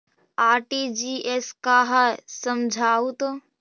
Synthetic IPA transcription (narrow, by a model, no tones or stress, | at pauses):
aːɾʈid͡ʒiːʔeskaːɦasəmd͡ʒʱaːut̪o